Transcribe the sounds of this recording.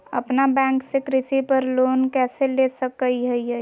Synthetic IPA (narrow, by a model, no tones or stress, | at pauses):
ə̰pnabɛ̃ːŋksekɾɪsipəɾloːnkɛːselesəkːəiɦəiɦɛ